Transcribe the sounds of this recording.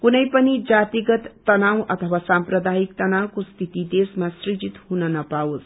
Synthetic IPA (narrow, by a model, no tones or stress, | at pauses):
kunʌjpʌnid͡zat̪iɡʌt̪ːʌnawʌt̪ʰʌwasamprʌd̪ajik̚t̪ʌnawkost̪ʰit̪id̪esmasrid͡zit̪hunʌnʌpaot͡s